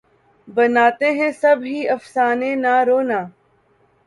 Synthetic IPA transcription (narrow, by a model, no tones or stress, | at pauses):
bɐnaːt̪eɦɛ̃sɐbɦiɐfsaːnenaɾoːnaː